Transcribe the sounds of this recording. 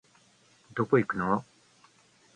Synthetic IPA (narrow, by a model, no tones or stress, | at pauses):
d̪okoikɯno